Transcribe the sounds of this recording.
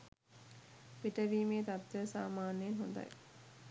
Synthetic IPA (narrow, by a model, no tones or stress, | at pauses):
ʋiʈəʋiːmeːt̪at̪t̪əsa̰ːmaːnenɦund̪a̰j